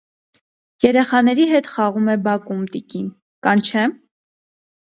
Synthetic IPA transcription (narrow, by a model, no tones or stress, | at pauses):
jɛɾɛχɑn̪ɛɾiɦɛt̪χɑʁumɛbɑkumt̪ikin | kɑnt͡ʃʰɛ